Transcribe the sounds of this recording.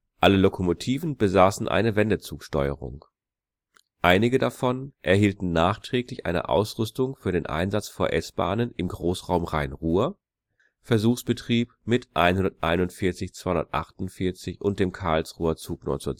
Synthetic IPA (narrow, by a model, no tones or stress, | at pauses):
ʔaləlokʰomotʰiːvn̩bəzaːsn̩ʔa̰ɪnəvɛndət͡suːkʃtɔʏə̰ʁʊ̰ŋ | ʔaɪnɪɡədafɔnʔɛɐhiːltn̩naːχtʁ̥ɛːklɪçʔa̰ɪnə̰ʔa̰ʊsʁ̥ʏstʊŋfyːɐɾeːnʔa̰ɪnzat͡sfoːɐʔɛsb̥a̰ːnənɪmɡʁoːsʁaʊmʁaɪnʁuːɐ | fɛɐzuːxsb̥ətʁ̥iːpmɪtʔa̰ɪnhʊndɐtʔa̰ɪnʊntfɪɐt͡sɪçt͡sv̥aɪhʊndɐ̰tʔa̰χtʊntfɪɐt͡sɪçʔʊnt̚d̥eːmkʰaɐlsʁuːɐt͡suːknɔ̰t͡suːɐ